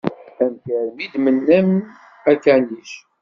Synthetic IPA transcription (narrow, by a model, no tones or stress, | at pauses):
æmtəɾmid̪mənːæm | æɾkændiʃ